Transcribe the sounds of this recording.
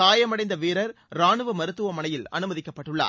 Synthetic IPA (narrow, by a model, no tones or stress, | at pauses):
aːjɐmɐɽɐɪnd̪ɐʋeːɾɐɾ | ɾaːɳɯʋɐmɐɾɯt̪ːɯʋɐmɐnɐjɪlɐ̰nɯmɐðɪkːɐpːɐʈːɯɭːa̰ː